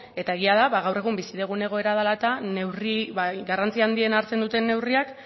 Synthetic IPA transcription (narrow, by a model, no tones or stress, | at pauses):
e̞t̪aeɣ̞iaðaβaɣawre̞ɣumbisiðe̞ɣ̞une̞ɣ̞o̞e̞ɾað̞alaet̪ane̞wriβaɡarant͡siaːnd̪ie̞naɾt͡se̞nd̪ut̪e̞nːe̞wriak